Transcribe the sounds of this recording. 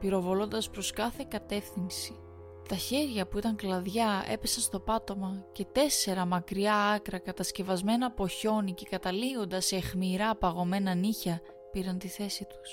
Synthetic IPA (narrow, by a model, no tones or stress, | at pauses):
piɾo̞vo̞lo̞nd̪ɐspɾo̞skɐθe̞kɐt̪e̞fθinsi̥ | t̪ɐçe̞ɾʝɐpuit̪ɐŋklɐðʝɐe̞pe̞sɐnst̪o̞pɐt̪o̞mɐce̞t̪e̞se̞ɾɐmɐkɾiɐɐkɾɐkɐt̪ɐsce̞vɐzme̞nɐpo̞ço̞nice̞kɐt̪ɐlio̞nd̪ɐsexmiɾɐpɐɣo̞me̞nɐniçɐ | piɾɐnt̪iθe̞sit̪u̥s